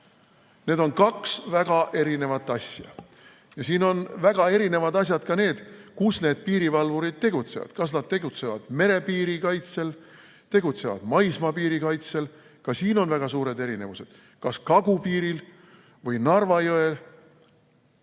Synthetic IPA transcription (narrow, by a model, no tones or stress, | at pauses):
ne̞ːd̪̥o̞nkɑksvæɡ̥ɑʔe̞ɾine̞vɑt̪ːˑɑsʲjɑ̰ | jɑsiːno̞nvæɡ̥ɑe̞ɾine̞vɑd̪ɑs̬ʲjɑd̪̥kɑne̞ːd̪̥kusne̞ːd̪̥̚piːɾivɑlvuɾid̪̥̚t̪e̞ɡ̥ut̪se̞̰vɑ̰d̪̥kɑsnɑd̪̥̚t̪e̞ɡut̪se̞vɑ̰d̪̥me̞ɾe̞piːɾikɑjt̪se̞l | t̪e̞ɡ̥ut̪se̞vɑ̰d̪̥mɑjsmɑpiːɾikɑjt̪se̞l | kɑsiːno̞nvæɡ̥ɑsuːɾe̞d̪e̞ɾine̞vuse̞d̪̥ | kɑskɑɡ̥upiːɾil | vɯjnɑrvɑjoe̞l